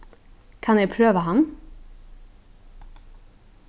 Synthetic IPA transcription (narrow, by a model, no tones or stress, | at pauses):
kʰɑnjæɪpʰɾøːʋəhɑn